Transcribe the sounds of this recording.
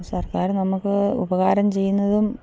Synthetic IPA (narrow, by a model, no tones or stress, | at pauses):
sɐrkaːɾnɐmukːɨṵbɐɣaːɾɐmt͡ɕe̞jːunːɐðum